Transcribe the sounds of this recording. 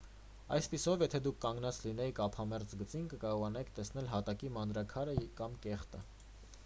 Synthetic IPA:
ɑ̰jspisɔvjɛt̪ʰɛd̪ukʰːɑŋɡn̪ɑt͡slinɛjikʰɑpʰɑmɛɾt͡sɡət͡sinkəkɑɾɔʁɑnɑikʰt̪ɛsnɛlɦɑt̪ɑkimɑnd̪ɾɑkʰɑɾəkɑmkɛχt̪ə̰

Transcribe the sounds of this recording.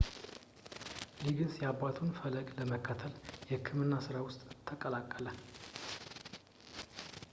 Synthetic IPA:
liɡɨnsjɛabat̪ʰunfələɡləməkʰːat̪ʰəljɛɨkʰːɨmɨnːasɨɾawʊst̪ʼt̪ʰəkʼəlakʼːələ

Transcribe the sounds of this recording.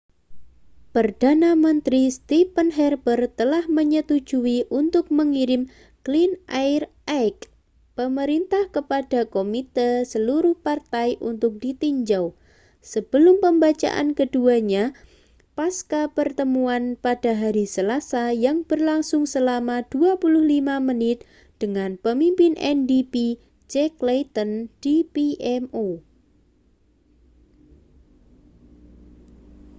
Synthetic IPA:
pərd̥anamənt̪ɾist̪ipənɦɛrbərt̪əlahməɲət̪u̥d͡ʒuiʔunt̪ʊk̚məŋiɾɪm | klinʔaɪr | ak | pəməɾint̪ahkəpad̥akomit̪əsəluɾʊhpart̪ajʔunt̪ʊk̚d̥it̪iɲd͡ʒaw | səb̥əlʊmpəmbat͡ʃa̰ʔa̰nkəduaɲa | paskapərt̪əmuanpad̥aɦaɾisəlasajaŋb̥ərlaŋsʊŋsəlamad̥uapulʊhlimamənɪt̪̚ | d̪̥əŋanpəmimpɪnʔɛ̰ndipi | t͡ʃɛklejt̪ənd̥ipiɛmo

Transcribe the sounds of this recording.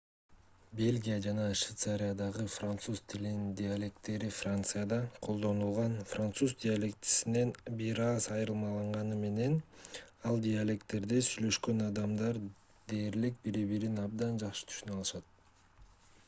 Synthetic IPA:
bʲe̞lʲɡʲijad͡ʒɑnɑʃvʲit̪saɾʲijad̪ɑʁɯfrant̪suz̥t̪ʰilinnnd̪ʲɪalʲe̞k̚t̪ːe̞ɾifrant̪sɨjad̪ɑqʰo̞lˠd̪o̞nulˠʁɑnfrant̪suzd̪ʲɪalʲe̞k̚t͡ʃi̥sine̞nbiɾɑzɑjɾɯlˠmɑlˠɑɴʁɑnɯme̞ne̞nɑlˠdʲialʲe̞kt̪ːe̞ɾd̪esyjlø̞ʃkø̞nɑd̪ɑmd̪ɑɾ | d̪e̞ːɾlik̚biɾiβiɾinɑb̚d̪ɑnd͡ʒɑqʃɯ̥t̪ʰy̥ʃynɑlˠɯʃɑt̪̚

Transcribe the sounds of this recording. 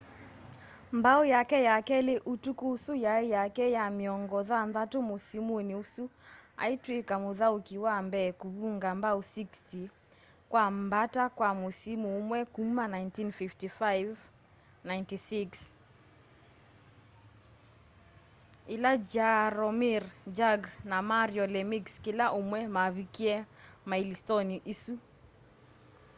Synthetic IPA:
mbaujakɛjakɛleʔutukuːsujaejakɛjamiɔŋɡɔðanðatomosimniusua̰itwekamoðaukiwambɛkuβuŋɡambausiksti | kwambatakwamosimumwɛkumanajntinfiftifajv | naintisiks | ilad͡ʒaɾɔmiɾd͡ʒaɡnamaɾjɔlɛmikskilaʔumwɛmaβikiɛ | mailistɔniʔisu

